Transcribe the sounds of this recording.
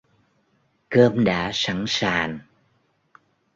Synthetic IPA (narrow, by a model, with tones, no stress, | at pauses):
kəː˧mɗa̰ː˧˥sa˧˥˩ŋsaː˨˩n